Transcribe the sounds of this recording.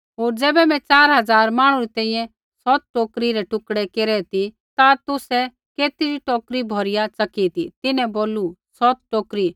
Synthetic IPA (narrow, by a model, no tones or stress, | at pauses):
ɦoːɾd͡zɛːbɛmɛ̃t͡ʃaːɾɦɐd͡zaːɾmaːɽ̃uɾit̪ɛ̃ːĩjɛ̃ | sɔt̪̚ʈoːkɾiɾɛʈʊkɽɛkeːɾɛt̪i | t̪at̪ʊsɛ | keːt̪iɾiʈoːkɾibʱɔɾɪjat͡sɐkit̪ḭt̪ɪnɛ̃boːlusɔt̪̚ʈoːkɾi